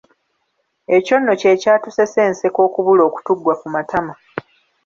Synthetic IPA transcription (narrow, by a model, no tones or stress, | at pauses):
eco̞nːo̞ce̞ːcaːtuse̞se̞ːnse̞ko̞ːkuβulo̞ːku̥tuɡːwakumatʰama